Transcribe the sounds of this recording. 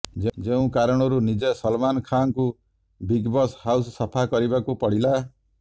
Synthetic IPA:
d͡ʒed͡ʒeũkaɾɔɽ̃ɔɾunid͡ʒesɔlmanɔkʰaŋku | biɡbɔshawssɔpʰakɔɾibakupɔɽ̤ila

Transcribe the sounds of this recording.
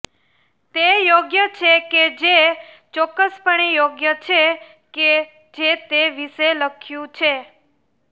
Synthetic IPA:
t̪ejoɡjət͡ʃʰeked͡ʒe | t͡ʃɔkːəspəɳejoɡjət͡ʃʰe | ke | d͡ʒet̪eʋiʃeləkʰjũt͡ʃʰe

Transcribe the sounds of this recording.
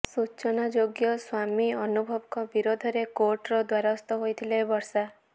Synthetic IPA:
sut͡ʃɔnad͡ʒoɡjɔswamiɔnubʱɔbɔkɔbiɾod̪ʱɔɾekoʈɾɔd̪waɾaɔst̪ɔɦojt̪ʰilebɔɾsa

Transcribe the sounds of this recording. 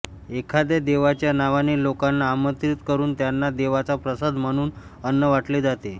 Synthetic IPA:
ekʰad̪ed̪eʋat͡ɕjanaʋanelokanːaːmət̪ɾit̪kəɾuːnt̪janːad̪eʋat͡sapɾəsəd̪ʱm̤əɽ̃uːn | ənːəʋaʈled͡zat̪e

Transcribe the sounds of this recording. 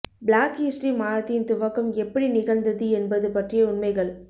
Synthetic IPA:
blaːkɪsʈɾimaːɻɐt̪ːɪjnt̪ʊʋɐkːɐmɛpːɐɽinɪɣɐɭnd̪ɐðɯɛnbɐðɯpɐʈrɪjɐʊnmɐɪɣɐɭ

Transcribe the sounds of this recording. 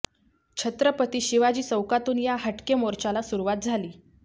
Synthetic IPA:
t͡ɕʰət̪ɾəpət̪iːɕiʋad͡ʑiːsəwkat̪uːnjaɦəʈkemoɾt͡ɕalasuɾuʋat̪̚d͡zʱaliː

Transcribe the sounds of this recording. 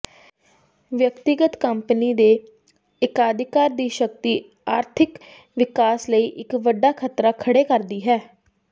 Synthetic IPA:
ʋjəkt̪ɪɡət̪kəmpniːd̪eː | ɪkaːd̪ɪkaːɾd̪iːʃək̚t̪iː | aːɾt̪ʰɪk | ʋɪkaːsləiːʔɪkʋəɖːaːkʰət̪ɾaːkʰəɽeːkəɾd̪iːɦɛː

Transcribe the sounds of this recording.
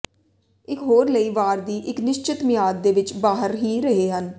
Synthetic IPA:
ɪkɦoːɾləiːʋaːɾd̪iːʔɪknɪʃt͡ʃɪt̪mɪjaːd̪̚ːeːʋɪt͡ʃbaːɦəɾɦiːɾəɦeːɦən

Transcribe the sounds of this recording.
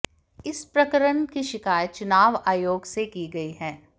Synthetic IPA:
ɪspɾɐkəɾənkiʃɪkaːjət͡ʃʊnaːʋaːjoːɡsekiɡɐiɦɛː

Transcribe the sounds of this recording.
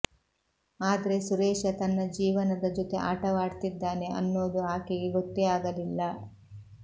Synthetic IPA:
aːd̪ɐɾe̞suɾɛːʃɐt̪ɐnːɐd͡ʒiːʋɐnɐd̪ɐd͡ʒot̪eʔaːʈɐʋaːɽt̪id̪ːaːne̞ʔɐ̰nːoːd̪uaːkeɡeɡot̪ːeaːɡɐlilːɐ

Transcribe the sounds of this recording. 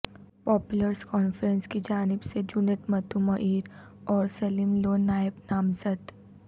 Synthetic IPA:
pɔːpʊləɾskɔːnfəɾə̃nskid͡ʒaːnɪbsed͡ʒuneʈmɐt̪umɐʔiːɾ | ɔːɾsɐlimloːnaːɪbnaːmzəd̪

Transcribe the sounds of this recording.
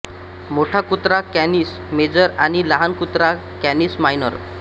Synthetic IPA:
moʈʰakut̪ɾakænis | med͡ʑəɾaɽ̃ilaɦankut̪ɾakænismajnə̰ɾ

